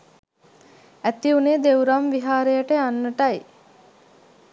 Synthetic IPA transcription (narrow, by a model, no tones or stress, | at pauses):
æt̪iuneːd̪ewɾamʋiɦaːɾejəʈeanːəʈɐj